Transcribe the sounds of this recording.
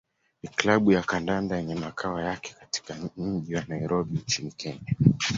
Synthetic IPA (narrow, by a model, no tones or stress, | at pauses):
miklaɓujakandandajɛɲɛmakʰawajakɛ̥kati̥kaɲ̩ʄiwanaiɾɔɓiɲt͡ʃinikʰɛɲa